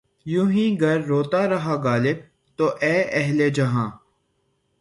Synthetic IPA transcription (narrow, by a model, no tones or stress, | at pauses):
jũːɦĩːɡəɾːoːt̪aːɾəɦaːɡaːlɪb̚ | t̪oːʔɛːʔɛɦleːd͡ʒəɦãː